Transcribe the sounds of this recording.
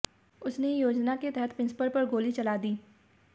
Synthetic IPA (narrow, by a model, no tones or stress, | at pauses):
ʊsnejoːd͡ʒnaket̪ɛɦɛt̪̚pɪ̃nspəɾpɐɾɡoːlit͡ʃɐlaːd̪iː